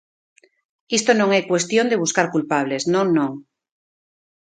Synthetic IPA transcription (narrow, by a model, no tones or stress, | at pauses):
ist̪onõŋekwe̞st̪jond̪eβ̞uskaɾkulpaβ̞le̞znõnõŋ